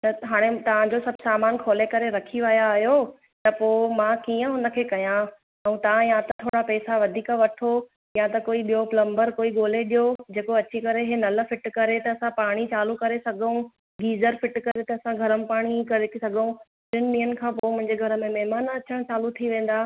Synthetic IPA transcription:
t̪ɐɦaːɽ̃et̪ɐʋ̤ãd͡ʑosɐbʱsaːmaːnkʰoːlekɐɾeɾɐkʰiʋɐjaːɦjoː | t̪ɐpoːmãːkiːə̃ɦũːn̆d̪əkʰeːkɐjã | ɛ̃t̪ɐʋãjãt̪ɐt̪ʰoːɽapɛːsaʋɐd̪ʱiːkaʋɐʈʰo | jat̪ɐkoːiɓijoplɐ̃mbəɾkoːiɠoːleɗijod͡ʑeːkoɐt͡ɕikɐɾeɦenɐl̆fɪʈkɐɾet̪ɐɐsãpaːɽ̃it͡ɕaːlukɐɾesɐɡʱũ | ɡiːzəɾfɪʈkɐɾet̪ɐɐsãɡʱɐɾəmɪpaːɽ̃ikɐɾesɐɡʱũ | bɪnɪɗĩːənkʰãːpoːmʊ̃ɦɪ̃ɲd͡ʑeɡʱɐɾə̆mẽmɛɦɪmaːnɐt͡ɕəɽ̃t͡ɕaːlut̪ʰiʋẽːn̆d̪aː

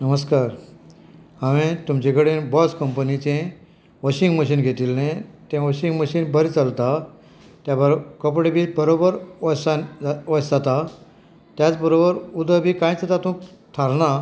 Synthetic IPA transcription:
nəməskaɾ | ɦaʋẽt̪umt͡ɕẽkəɽẽbɔskəmpənit͡ɕẽ | ʋɔɕiŋɡməɕ̬iːnɡʱet̪ilnẽt̪ẽʋɔɕiŋɡməɕiːnbʱəɾt͡salt̪a | t̪jabəɾkəpɽebʱiːbəɾobəɾʋaʋəd͡zat̪a | t̪jat͡sbəɾobəɾud̪ʱəbʱiːkãjt͡sat̪at̪ũːt̪ʰaɾna

